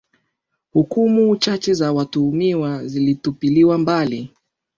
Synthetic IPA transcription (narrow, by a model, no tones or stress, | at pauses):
hukumut͡ʃat͡ʃɛzawatuːmiwazilitupiliwambali